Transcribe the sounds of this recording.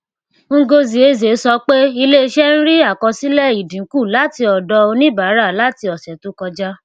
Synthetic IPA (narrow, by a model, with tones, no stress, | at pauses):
ŋ̩˦˧˦ɡo˧zi˨e˨˧˦ze˨˦sɔ˧˦k͡pe˦i˧le˦˧ʃɛ˦n̩˦ɾi˦a˦˨kɔ˧si˦lɛ˦˨i˨dĩ˨˦ku˦˨la˨˦ti˧ɔ˨dɔ˧o˧nĩ˦baː˨˦ɾa˦˨la˨˦ti˧ɔ˨sɛ˨tu˨˦kɔ˧d͡ʒa˦